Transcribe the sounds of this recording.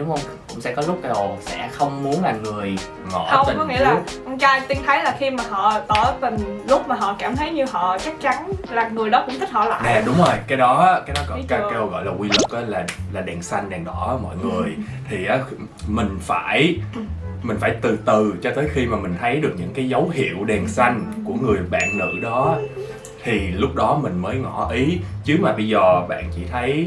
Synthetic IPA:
ɗʊ˨˦ŋ͡mhə˧wŋ͡m | kʊ̰˧˥ŋ͡msɛ̰˧˥kɔ˨˦lʊ˦˥k͡p̚ka˧˦ɗo˨˩sɛ̰˧˥xə˧wŋ͡mmu˨˦ənlaː˨˩ŋɨ˨˩əj | ŋɔ̰˧˩ə˧ə˨˩kɔ˨˦ŋḭ˧˥laː˨˩ɔ˧ŋ͡mt͡ɕaː˧jt̪i˧ənt̪ʰə˨˦jlaː˨˩xi˧maː˨˩ɦɔ̰˧˨t̪əː˧˩və˨˩nlʊ˦˥k͡p̚maː˨˩ɦɔ̰˧˨kaː˧˩mt̪ʰə˨˦jɲɨ˧ɦɔ̰˧˨t͡ɕa˦˥k̚t͡ɕa˨˦nlaː˨˩ŋɨ˨˩əjɗɔ˨˦kʊ˧˥ŋ͡mt̪ʰi˦˥hɔ̰˧˨˩la̰ː˧˨nɛjɗʊ˨˦ŋ͡mzo˨˩jkaː˨˦jɗɔ˨˦aː˨˦kaː˨˦jɗɔ˨˦kɔ˧˦kːa˧˦o˧˩ɣɔ̰˧˨jlaː˨˩wi˧lə˨˩k̚əː˨˦laː˨˩laː˨˩ɗɛː˨˩nsa˧jŋ̟ɗɛ˨˩nɗɔ˧˩˦mɔ̰˧˨jŋɨ˨˩əjt̪ʰi˨˩ʔaː˨˦ | mï˨˩ŋ̟faː˧˩j | mï˨˩ŋ̟faː˧˩jt̪ɨ˨˩t̪ɨ˨˩t͡ɕɔ˧t̪əː˨˦jxi˧maː˨˩mï˨˩ŋ̟t̪ʰə˨˦jɗɨ˨˩ək̚ɲɨ̰˧˥ŋkaː˨˦jzə˨˦wɦḭ˧˨əwɗɛ˨˩nsa˧jŋ̟ku˧˩əŋɨ˨˩əjɓa̰ː˧˨nnɨ̰˧˥ɗɔ˨˦ | t̪ʰi˨˩lʊ˦˥k͡p̚ɗɔ˨˦mï˨˩ŋ̟məː˨˦jŋɔ˧˩ʔi˨˦t͡ɕɨ˨˦əmaː˨˩ɓi˧zɔː˨˩ɓa̰ː˧˨nt͡ɕḭ˧˩t̪ʰə˨˦j

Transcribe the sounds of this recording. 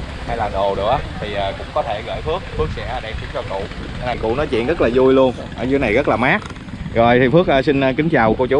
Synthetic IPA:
ha˧jlaː˨˩ɗo˨˩ɗɨ˨˩ək̚a˨˦t̪ʰi˨˩ʔaː˨˩kʊ̰˧˥ŋ͡mkɔ˨˦t̪ʰe˧˩ɣə̰ː˧˩jfɨ˦˥ək̚fɨ˦˥ək̚sɛ̰˧˥˦ɗɛ˧˩mt̪i˧˦t͡ɕɔ˧kʊ̰˧˨˧ | na˨˩kʊ̰˧˨nɔ˨˦jt͡ɕḭ˧˨əɣə˦˥laː˨˩zu˧jlu˧ən | ʔəː˧˩zna˨˩jɣə˦˥t̚laː˨˩maː˦˥k̚ | zo˨˩jt̪ʰi˨˩fɨ˦˥ək̚əː˧si˧ŋ̟ː˧kï˨˦ŋ̟t͡ɕaː˨˩wko˧wt͡ɕu˨˦

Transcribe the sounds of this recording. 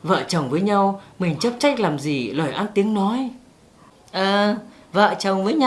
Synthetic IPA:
və̰ː˧˨t͡ɕə˨˩wŋ͡mvəː˨˦jɲa˧wmï˨˩ŋ̟t͡ɕə˦˥p̚t͡ɕa˦˥jk̟̚laː˨˩mzi˨˩ləː˧˩jʔaː˧nt̪i˨˦əŋnɔ˨˦j | ʔəː˨˩və̰ː˧˨t͡ɕə˨˩wŋ͡mvəː˨˦jɲa˧

